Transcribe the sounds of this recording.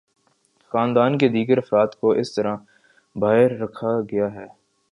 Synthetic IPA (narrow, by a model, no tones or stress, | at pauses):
xaːnd̪aːnked̪iːɡəɾɐfɾaːt̪koʔɪst̪ɐɾã | baːɪɾːɐkʰaɡɐjaɦɛː